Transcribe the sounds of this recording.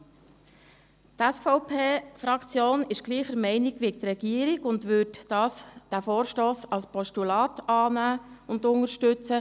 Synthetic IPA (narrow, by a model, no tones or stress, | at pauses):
tæsfɔʊpʰeːfɾɑkt͡sjoːnɪʃɡ̥liːχəɾmɛɪnɪɡʋiɪt̪rɛɡiːəɾɪɡʊndʋʏːtd̥ɑːsd̥æfoːɾʃtoːsɑlspɔʃtulɑːtɑːnæːʊndʊŋəɾʃtʏt͡sə